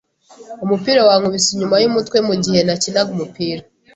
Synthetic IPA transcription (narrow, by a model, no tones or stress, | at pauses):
umupiːɾawaŋuβisiɲumajumutkwe̞muɟihe̞nacinaɡumupiːɾa